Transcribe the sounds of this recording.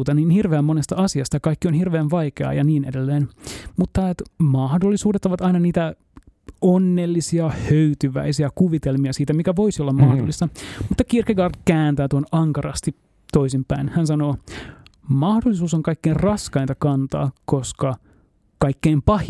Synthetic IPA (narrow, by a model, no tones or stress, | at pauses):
t̪ɑniːnhirʋeæmːonest̪ɑɑsiɑst̪ɑkɑikːionhirʋeːnʋɑjkeɑ̰jɑniːnedelːeːnmut̪ːɑet̪mɑhdolːisuːdet̪ːoʋɑt̪ɑinɑniːt̪æ | onːelːisiɑhøyt̪yʋæ̰isiɑkuʋit̪elmiɑsiːt̪æmikæʋo̞isiolːɑmmɑhdolːist̪ɑmut̪ːɑkirkekɑrt̪kæːnt̪æːt̪uonɑŋkɑrɑ̰st̪i | t̪oisimpæinhænsɑnoː | mɑhdolːˑisuːsoŋkɑikːeːnrɑskɑint̪ɑkɑnt̪ɑ̰ːkoskɑ | kɑikːeːmpɑh